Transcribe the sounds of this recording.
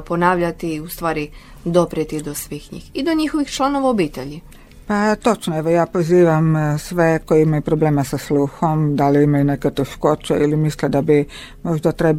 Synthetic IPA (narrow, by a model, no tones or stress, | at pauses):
ponaːʋʎat̪iust̪ʋaːɾi | d̪opɾet̪id̪osʋixɲḭːxid̪oɲixoʋixt͡ʃlˠanoʋaobiːt̪eʎi | pat̪ot͡ʃnoeʋojaːpoziːʋamsʋekojiimajupɾobleːmesasluːxomd̪aliimajuneket̪eʃkoːt͡ʃeilimislɛd̪abi | moʒd̪at̪ɾeb